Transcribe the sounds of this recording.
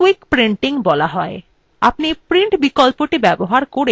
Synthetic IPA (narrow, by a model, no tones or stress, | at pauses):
ikpɾiɳʈiŋbɔlaɦɔe | a̰pnipɾiɳʈbikɔlpoʈebɛboɦaɾkoɽe